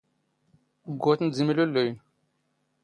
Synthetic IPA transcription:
ɡot̪n̩zimiloləj

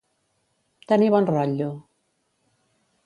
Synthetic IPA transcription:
t̪aniβɔnrɔʎu

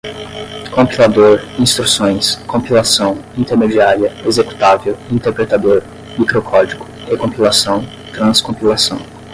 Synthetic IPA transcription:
kõmpilad̪oɾĩst̪ɾusõj̃skõpilasɐ̃w̃ĩt̪eɾmed͡ʒiaɾiɐezeku̥t̪avewĩnt̪eɾpɾet̪ad̪oɾ | mikɾokʰɔd͡ʒiɡʊ̥ | ekõmpilasɐ̃w̃ | t̪ɾɐ̃skõpilasɐ̃w̃

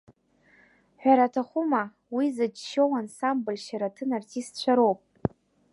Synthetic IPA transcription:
ħᶣʷaɾatʰaχʷʊma | wizad͡ʒʃowansambɨlʃaɾatʰɨnartʰistt͡ɕʷʰaɾo̞wpʼ

